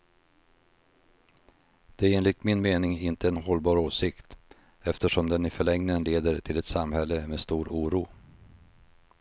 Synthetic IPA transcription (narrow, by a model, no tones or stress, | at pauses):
d̪̥ɛæɾeːnlɪt̪mɪnmeːnɪŋɪnt̪əɛnɦɔlbɑːɾoːsɪkt̪ | ɛft̪əʂɔmd̪ɛnɪfœɭɛŋnənleːd̪əʈ̪ʰɪlɛt̪samhɛlːəmeːst̪uːɾuːɾuː